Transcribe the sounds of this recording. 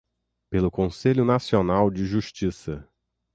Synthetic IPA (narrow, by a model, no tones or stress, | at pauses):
pelʊkõseʎʊnasionawd͡ʒɪʒuʃt͡ʃisɐ